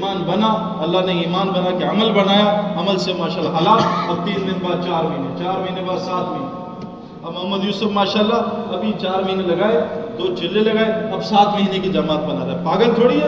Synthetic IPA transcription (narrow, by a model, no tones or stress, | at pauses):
maːnbɐna | ɐlːaɦneiːmaːnbɐnakeɐməlbɐɽ̤aːjaɐməlsemaːʃaːlːaɦɐlaɔːɾt̪iːnd̪ɪnbaːd̪̚t͡ʃaːɾmɐɦinet͡ʃaːɾmɐɦinebaːd̪saːt̪mɐɦine | ɐbmʊɐɦmːəd̪juːsʊfmaːʃaːlːaɐbʱit͡ʃaːɾmɐɦinelɐɡaːed̪oːt͡ʃɪlːelɐɡaːeɐbsaːt̪mɐɦinekid͡ʒamaːt̪̚bɐnaːɾɐɦepaːɡənt͡ʃʰoːɽiɛ